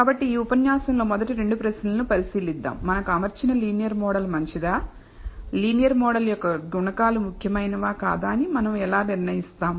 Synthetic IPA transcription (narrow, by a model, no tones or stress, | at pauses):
kaːbɐʈːiiːupɐnjaːsɐmlo̞ːmɔd̪ɐʈiɾe̞ɳɖupɾɐsnɐlɐnupɐɾisiːlid̪ːa̰ːmːɐnɐkɐmɐɾt͡ʃinɐliːnijɐɾmɔːɽɐlmɐɲt͡ʃid̪aː | liːnijɐɾmɔːɽɐljɔkːɐɡuɳɐkaːlumukʰjɐmɐjnɐʋaːkaːd̪aːɐnimɐnɐmɛlaːniɾnɐjist̪aːm